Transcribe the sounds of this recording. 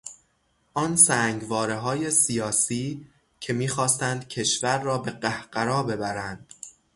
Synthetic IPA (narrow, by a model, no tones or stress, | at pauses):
ʔɒːnsæːŋɡvɒːɾeɦɒːje̞sijɒːsiː | cʰe̞miːxɒːst̪ænd̪̥cʰe̞ʃvæɾːɒːbe̞ɢæhɢæɾɒːbe̞bæɾænd̪̥